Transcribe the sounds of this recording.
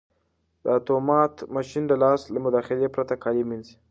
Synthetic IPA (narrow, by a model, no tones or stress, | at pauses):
d̪əat̪omɑt̪mɑʃind̪əlɑslamʊd̪ɑxɪlepɾat̪akʰɑliminzi